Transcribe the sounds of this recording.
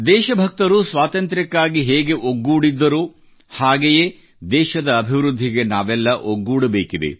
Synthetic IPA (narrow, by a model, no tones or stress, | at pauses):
d̪ɛːʃɐbʱɐk̚t̪ɐɾusʋaːt̪ɐnt̪ɾikːaːɡiɦeːɡe̞ʔoɡːuːɽid̪ːɐɾuː | haːɡeje̞ː | d̪ɛːʃɐd̪ɐːbʱiʋɾud̪ʱːiɡe̞naːʋɛlːɐʔoɡːuːɽɐbeːkid̪ḛ